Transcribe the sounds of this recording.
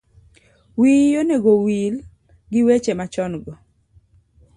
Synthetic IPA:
wijoneɡowil | ɡɪwet͡ʃemat͡ʃɔnɡɔ

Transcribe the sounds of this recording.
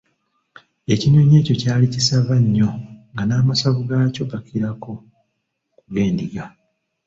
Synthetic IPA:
e̞cinoːɲe̞ːco̞caːlicisaβaɲːo̞ŋɡanaːmasaβuɡaːco̞ɡakʰiɾako̞ | kuɡe̞ːndiɡa

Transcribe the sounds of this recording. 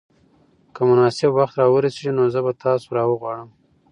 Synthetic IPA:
kəmʊnɑsɪbwaxt̪ɾɑwəɾaseʐinozəbat̪ʰɑsoɾɑwəɣwɑɽəm

